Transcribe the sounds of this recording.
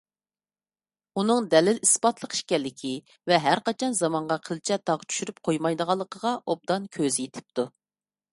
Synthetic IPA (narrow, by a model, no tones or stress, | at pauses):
unɨŋd̪ɛlɪlispɑt̪lˠəqi̥ʃkʲɛlːɪkʲʰi | vɛɦæɾqɑt͡ʃʰɑnzɑmɑɴʁɑqʰəlt͡ʃʰɛt̪ʰɑʁt͡ʃʰy̥ʃyɾyp̚qʰojmɑjd̪əʁɑlˠːəqʰəʁɑʔob̚d̪ɑnkʲʰøzjet̪ʰɪ̥p̚t̪ʰu